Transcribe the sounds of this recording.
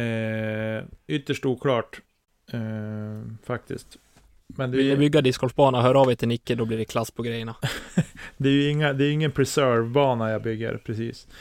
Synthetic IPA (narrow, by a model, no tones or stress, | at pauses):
ʏt̪ːəʂʈuːkʰlɑːʈː | fak̚t̪ɪ̰skt̪ | mɛnd̪ɛvɪljabʏɡːad̪ɪskʰɔlfbɑːnaɦœːɾɑːvɛt̪ʰɪnɪkːəd̪ɔbliːɖɛkʰlasːpʰɔɡɾɛjəɳa | d̪ɛæɾjɵɪŋːad̪ɛːɾjɵɪŋːənpʰɾɛsœvbɑːnajabʏɡːə̰ɾpʰɾɛsḭːs